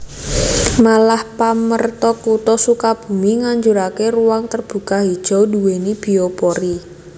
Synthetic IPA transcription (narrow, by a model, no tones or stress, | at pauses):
malahpamərt̪ɔkut̪ɔsukab̥ṳmiŋaɲd͡ʒuɾakeruwaŋt̪ərb̥ṳkahid̥ʒ̥ɔ̤duwenib̥i̤opɔɾi